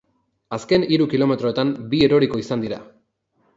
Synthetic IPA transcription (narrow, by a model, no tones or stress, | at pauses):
aske̞niɾukilo̞me̞t̪ɾo̞et̪ambieɾo̞ɾiko̞isand̪iɾa